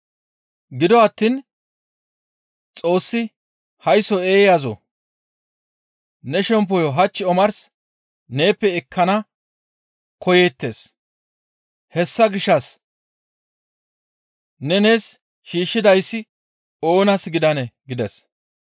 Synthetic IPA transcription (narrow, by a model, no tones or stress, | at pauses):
ɡɪd̪ɔɐt̪ːin | t͡sʼo̞ːsːɪ | hɐjsɔeːjazɔ̰ | nɛʃɛmp̬ːɔjɔɦɐt͡ʃːɪɔmɐɾs | ne̞ːpːɛɪkʰːɐnɐ | kɔjeːt̪ːe̞s | hɛsːɐɡɪʃːɐs | nɛne̞ːs | ʃiːʃːɪd̪ɐjsːɪ | o̞ːnɐsɡɪd̪ɐnɛɡɪd̪ɛs